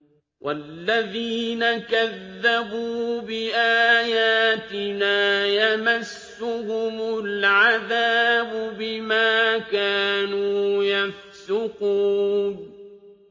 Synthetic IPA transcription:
wʔa̰lːaðiːnakaðːabuːbɪʔaːjaːt̪ɪnaːjamasːʊhʊmʊlʕaðaːbʊbɪmaːkaːnuːjaf | sʊquːn

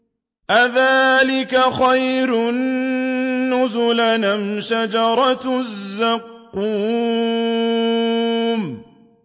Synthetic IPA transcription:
ʔaðaːlɪkaxajɾʊnː | ʊzʊlanamʃad͡ʒɑɾˤɑt̪zːaqːuː | m

